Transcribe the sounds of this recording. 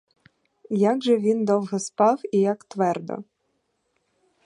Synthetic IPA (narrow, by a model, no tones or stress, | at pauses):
jaɡʒɛʋʲind̪ɔwɦɛspɑwijakt̪ʋɛrd̪ɔ̰